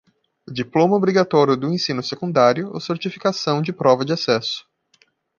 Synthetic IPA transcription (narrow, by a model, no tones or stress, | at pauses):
ʊd͡ʒiplõmɐobɾiɡat̪ɔɾjʊd̪ʊẽsĩnʊsekũnd̪aɾjʊo̰seɾt͡ʃifi̥kasɐ̃w̃d͡ʒɪpɾɔvɐd͡ʒɪasɛsʊ̥